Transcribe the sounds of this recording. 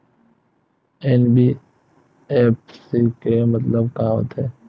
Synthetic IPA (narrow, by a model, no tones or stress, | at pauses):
eːnbiː | eːpsikemɐt̪ləb̚kãːʋə̰t̪ʰɦeː